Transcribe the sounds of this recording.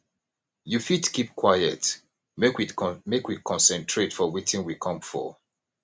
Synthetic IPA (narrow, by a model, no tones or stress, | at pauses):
jufitkip̚kʰwajə̰t | mekwimekwikʰɔ̃nsɛ̃ntʰɹetfɔwetĩnwikʰɔ̃mfɔ̰